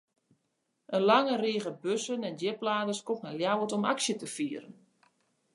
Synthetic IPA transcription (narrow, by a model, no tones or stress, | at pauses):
ʔənlaŋəreːɣəbøsənɛndɪplaːdəskɔknaljawətɔma̰ksjətəfiːəɾən